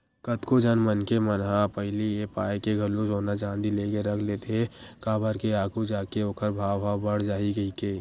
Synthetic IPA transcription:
kət̪kod͡ʒanmənkemənɦapəɦɪlijepaːekeɡʱɐlõd͡ʒoːnat͡ʃãːnd̪ileːɡeɾɐkʰleːt̪eɦɛkaːbəɾkeaːɡʰud͡ʒaːkeoːkʰəɾbʱaːwbaːwbəɽ̤d͡ʒaːiɡɐikeː

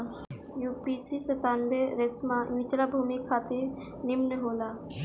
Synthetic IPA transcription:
juːpisisət̪aːnbeɾesmãnɪt͡ʃlabʱuːmikʰaːt̪iɾ | nimnəɦoːlaː

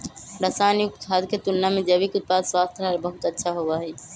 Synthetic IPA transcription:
ɾəsaːnjukʰaːd̪ket̪ulːamẽd͡ʒəbikʊt̪̚paːd̪swaːst̪ʰɾaɦɛlbəɦʊt̪ətːʃʰaɦoʋaːɦiː

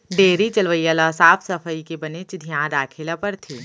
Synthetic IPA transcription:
ɖeːɾit͡ʃɐlʋəjːalasaːfʰsɐfʰəikebɐnɪt͡ʃd̪ʱijãːd̪aːkʰɪlapɐɾt̪ʰiː

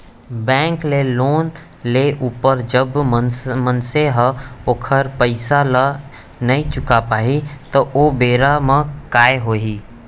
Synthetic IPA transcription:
bɛ̃ːŋkleloːn | leʔuːpəɾd͡ʒəbmənseɦoːkʰəɾpəɪsala | nɐĩt͡ʃʊkapaːit̪oʔoːbeːɾamə̃kaːeɦoːɦiː

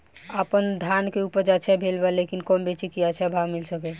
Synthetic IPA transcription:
əpənd̪ʱankeupəɾd͡ʒat͡ʃʰɛbʱelbalekinkɔmbet͡ʃikijat͡ʃʰɛbʱamilsəkɛ

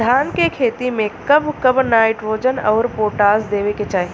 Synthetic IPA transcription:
d̪ʱaːnkekʰeːt̪imẽkɐbkɐbnaːɪʈɾoːd͡ʒənɔːɾpoːʈaːsd̪eːʋeket͡ʃaːɦe

